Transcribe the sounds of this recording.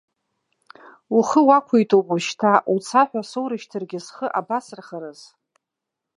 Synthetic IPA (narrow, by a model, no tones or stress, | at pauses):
uχəwakʷʰejtʰʼowpʼuʃtʰaut͡sʰaħʷᶣasowɾɨʃtʰɨrɡʲɪsχəʔabasɨrχəɾɨz